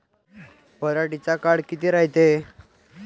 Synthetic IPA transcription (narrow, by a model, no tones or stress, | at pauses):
pəɾaʈit͡sakaɽkit̪iːɾaɦit̪e